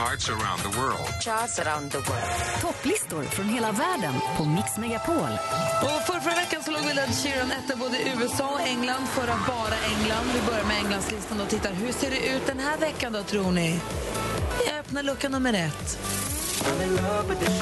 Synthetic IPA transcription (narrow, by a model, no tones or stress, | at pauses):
aɹtsəɹã̰ʊ̃nðəwɜ˞ld̪t͡ʃalsəɾaʊnd̪əɡɔ̰t̪ʰɔpːlɪst̪ʊɾfɾɔnɦeːlavæːɖə̰npʰɔmɪksmɛɡapʰoːlɔfœɾfɾavɛkːansɔloːɡvɪlːad̪ʃɪɾɔnɛt̪ːəɾboːd̪əʔʉ̟ːɛsɑːɔkɛŋland̪fœɾat̪̚bɑːɾaʔɛŋland̪vɪbœɾjaɾmɛɛŋːlanslɪst̪anɔt̪ʰɪt̪ːaɾɦɵʂeːɖɛʔʉ̟ːt̪̚d̪ɛnɦæːɾvɛkːand̪ɔːt̪ʰɾuːɳɪ | aœpnaɭɵkːanɵmːəɾɛt̪ː